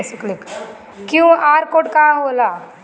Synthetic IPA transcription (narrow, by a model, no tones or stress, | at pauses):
səklik | kjũaɾkoɽkaɦola